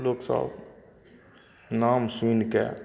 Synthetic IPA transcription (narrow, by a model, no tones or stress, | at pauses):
loːksə̰b | namsunkḛ